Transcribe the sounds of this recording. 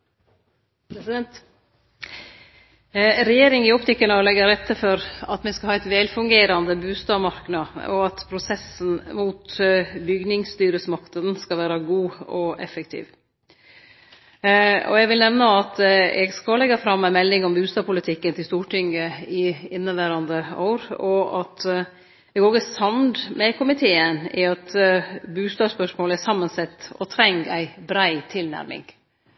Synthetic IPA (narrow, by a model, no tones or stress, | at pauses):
pʰɾɛsɪd̪ɛnt̪ | ɾɛjeːɾɪŋɪɔpt̪ɪkːənɔlɛɡːəɾɛt̪ːəɾfɔɾɑt̪mɛskɑhɑːɛɪt̪ʋɛlfʉŋɡeːɾɑnd̪əbʉːst̪ɑːmɑɾknɑɔ̰ɑt̪pʰɾʊsɛsn̩muːt̪bʏɡnɪŋst̪yːɾəsmɑknɑd̪nskɑʋæːɾɑɡuːɔʔɛ̰fəkt̪ʰḭːʋ | ɔ̰ɛɡʋɪlnɛʋnɑɑt̪ɛ̰ɡskɑlɛɡɑfɾɑmːæɪmɛlːɪŋɔmbʉːst̪ɑːpʊlɪt̪ʰɪkːənt̪ʰɪlst̪uːʈʰɪŋəɪɪnːəʋæːɾɑnd̪əɑ̰ːɾɔʔɑt̪ | ɛɡoːɡəsɑnd̪mɛkʰʊmɪt̪ʰeːənɪ̰ɑt̪bʉːst̪ɑːspœʂmoːləæsɑmːənsɛt̪ːɔ̰t̪ʰɾɛŋɡæɪbɾæɪt̪ʰɪlnæ̰ɾmɪ̰ŋ